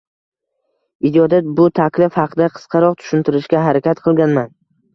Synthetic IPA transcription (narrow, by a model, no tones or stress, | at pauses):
ɪd͡ʒɒd̪abʊt̪ʰakʲlɪfhɑqʰɨd̪aqʰɨ̥sqʰɑɾɒqt̪ʰʊ̥ʃʊnt̪ʰɪɾɪʃkʲaɦaɾakʲat̪qʰɨlˠɡʲanman